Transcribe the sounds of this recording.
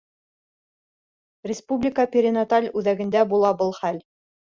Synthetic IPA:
rʲɪspublʲɪkəpʲɪɾʲɪnat̪alʲʉðæɡɘ̆nd̪æbulˠɑbɤlˠχæl

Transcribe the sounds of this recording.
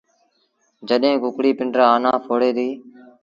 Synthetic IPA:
d͡ʒəɗɦẽːkʊkɽiːpɪɳɖɾaːaːnaːpʰoːɽeːd̪iː

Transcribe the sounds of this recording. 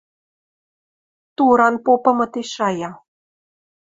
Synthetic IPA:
t̪uɾɑnpopɤ̆mɤ̆t̪eʃɑjɑ

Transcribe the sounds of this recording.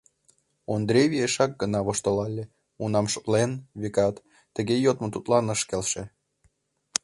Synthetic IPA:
ond̪ɾʲevʲieʃɑk̚ɡənɑβoʃt̪olɑlʲːe | unɑmʃot̪lenβʲekɑt̪ː | əɣejot̪mot̪ut̪lɑnəʃkelʃĕ

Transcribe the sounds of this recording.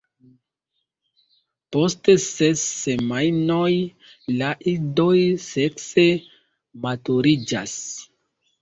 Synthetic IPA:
po̞stessesːe̞majno̞j | laʔido̞jse̞kse̞ | matuɾid͡ʒa̰s

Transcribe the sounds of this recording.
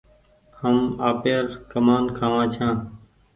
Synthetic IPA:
həmaːpeːɾkəmaːnkʰãːʋãːt͡ʃʰãː

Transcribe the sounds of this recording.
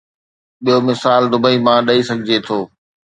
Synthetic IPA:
ɓijomɪsaːld̪ʊbəimãɗɐisɐɡʱɪd͡ʑet̪ʰoː

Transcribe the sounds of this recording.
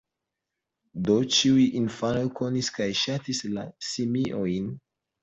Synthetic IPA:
dot͡ʃiujʔinfanojko̞niskajʃatislasimiʔojn

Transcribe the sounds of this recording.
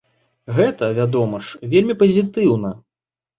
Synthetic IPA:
ɣɛt̪ɐvʲad̪ɔmɐʂvʲelʲmʲipɐzʲit̪ɨwnɐ

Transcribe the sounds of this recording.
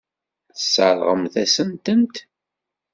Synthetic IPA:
θəsːəɾˤʁəmθæsənt̪ənt̪

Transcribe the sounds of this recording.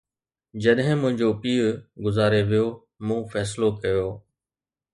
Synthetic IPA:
d͡ʑɐɗɦɪ̃mʊ̃ɦɪ̃ɲd͡ʑoːpiːɾɡʊzaːɾeʋɪjoː | mũːfɛːs̬lokɐjoː

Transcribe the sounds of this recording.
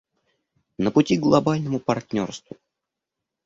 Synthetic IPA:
nəpʊtʲiɡlˠɐbalʲnəmʊpɐrt̚ʲnʲorst̪vʊ

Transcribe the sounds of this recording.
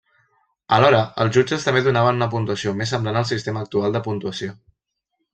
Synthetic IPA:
əlɔɾəəlˠzʒud͡ʒəst̪əmbeðunaβ̞ənunəp̬unt̪uəsiomesəmblanəlˠsist̪eməːk̚t̪ualˠd̪əpunt̪uəsio

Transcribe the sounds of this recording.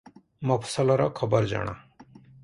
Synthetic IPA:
məpʰsəlɔɾɔ̰kʰʌbəɾd͡ʒa̰ɽ̃a̰ː

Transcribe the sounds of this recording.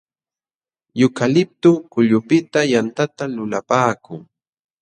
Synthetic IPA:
jʊkalɪp̚t̪ʊkʊʎʊpɪt̪ajant̪at̪alʊlapaːkʊŋ

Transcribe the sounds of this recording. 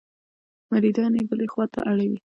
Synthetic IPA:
maɾid̪ɑnebəlexwɑt̪a̰ʔaɽawi

